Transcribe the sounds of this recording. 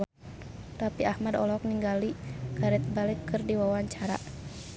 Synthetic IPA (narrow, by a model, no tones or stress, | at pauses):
t̪apiahmadɔ̰lɔk̚niŋɡaliɡaɾɪt̪̚balɪkːɨrdiwawaɲt͡ʃaɾa̰